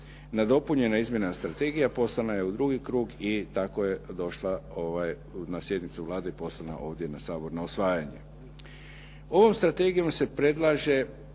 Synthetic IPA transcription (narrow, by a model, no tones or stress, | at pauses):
nad̪o̞puɲe̞naizmje̞nast̪ɾat̪e̞ɡijapo̞slanaje̞ud̪ɾuɡikɾuːɡit̪ako̞jed̪o̞ʃlaoʋaj | nasje̞d̪nit̪suʋlˠaːd̪eipo̞slˠana̰ʔo̞ːʋd̪je̞nasaːbo̞ɾnausʋaːjaɲḛ | o̞ʋo̞mst̪ɾat̪e̞ɡijo̞mse̞pɾe̞d̪lˠaːʒe̞